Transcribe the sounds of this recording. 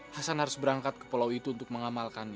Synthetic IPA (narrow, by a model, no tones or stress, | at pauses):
hasanhaɾʊsbəɾaŋkat̪̚kə̥polawit̪uːnt̪ʊk̚məŋamalkan